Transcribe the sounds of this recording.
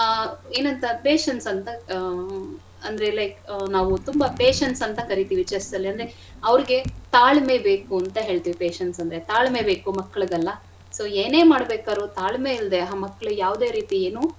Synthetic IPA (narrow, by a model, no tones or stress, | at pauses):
eːnɐnt̪ɐpeːʃɐnsɐnt̪ɐ | ɐnd̪ɾelɐknaːʋut̪umbɐpeːʃɐnsɐnt̪ɐkɐɾit̪iːʋit͡ʃeɾsd̪ɐlːiɐnd̪ɾe | ɐʋɐɾiɡe̞t̪aːɭme̞beːkuɐnt̪ɐɦe̞ːɭt̪iʋipeːʃɐnsɐnd̪ɾet̪aːɭmebe̞ːkumɐkːɐɭuɡɐlːɐ | so̞ːeːne̞ːmaːɽbeːkaːɾut̪aːɭmeild̪eɐɦaːmɐkːɐɭujaːʋd̪e̞ːɾiːt̪ieːnuː